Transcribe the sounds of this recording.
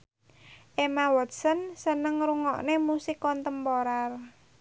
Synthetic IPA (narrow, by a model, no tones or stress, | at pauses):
ʔemawɔt̪̚sənsənəŋɾuŋɔ̰ʔnemusɪkːɔnt̪əmpoɾar